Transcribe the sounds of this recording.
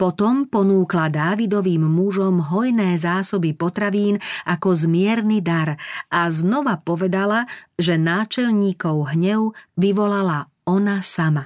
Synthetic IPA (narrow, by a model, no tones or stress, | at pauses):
pɔt̪ɔmpɔnuːklad̪aːʋid̪ɔʋiːmːuʒɔmɦɔjnɛːzaːsɔbipɔt̪ɾaʋiːnakɔzmɪɛɾnid̪aɾʔaznɔʋapɔʋɛd̪alaʒɛnaːt͡ʃɛʎɲiːkɔʊɦɲɛʊʋiʋɔlala | ɔnasama